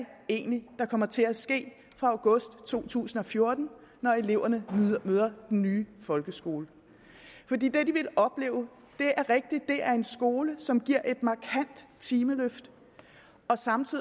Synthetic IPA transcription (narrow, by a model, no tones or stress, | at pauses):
e̝̰ːnlid̥ɑ̈kʰɒ̽mɐt͡sʰe̝læsɡ̥e̝̰ː | fʁɑ̈ɑʊɡ̥ɔ̽sd̥t͡sʰo̝̰ːt͡sʰṵːsn̩ɒ̽fjo̝ɐd̥n̩ | nɒe̝le̝ʊ̰ɐnəmøð̞ˠɐd̥enːyːfɒ̽lɡ̥əsɡ̥o̝ːlə | fɒ̽dḭːd̥e̝d̥iʋe̝lɒ̽b̥le̝̰ːʊ | d̥e̝ʔæɐʁeɡ̥̚d̥i̥d̥e̝æɐe̝nsɡ̥o̝ːləsɒ̽mɡ̥iɐ̰ʔe̝d̥mɑ̈kʰæn̰d̥t͡sʰiːməløfd̥ | ɒ̽sɑ̈mt͡sʰiðˠ